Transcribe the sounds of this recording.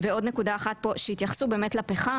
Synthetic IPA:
veo̞d̪ne̞kud̪aːχat̪̚po̞ʃehit̪jaχsube̞ːmetlapeχa

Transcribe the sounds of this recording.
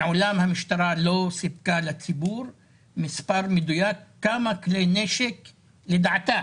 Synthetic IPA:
ʕʊlaːmhamɪʃt̪ɑɾˤɑlosɪb̚kalat̪ːibuːɾ | mɪspɑɾˤmɪd̪ujaːkːamakleneːʃɪk | lɪd̪aʕt̪aː

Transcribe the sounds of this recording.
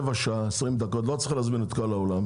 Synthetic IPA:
vaʃaaesʁimd̪akot̪lo̞t͡sχalazminet̪kolaolam

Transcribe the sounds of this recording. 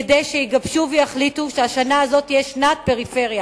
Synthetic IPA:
d̪ejʃeiɡabʃuvejaχlit̪uʃeaʃanaːzo̞t̪ijeʃnaːt̪̚pe̞ʁife̞ʁja

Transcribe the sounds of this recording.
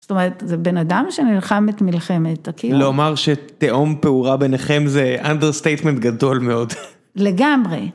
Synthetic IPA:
sst̪o̞meʁetzebe̞nadamʃenilχametmilχemet̪akilomaʁʃet̪eʔompeuʁabeneχe̞mzeʔandeʁst̪ejt̪mentɡado̞lme̞o̞d | leɡamʁḛ

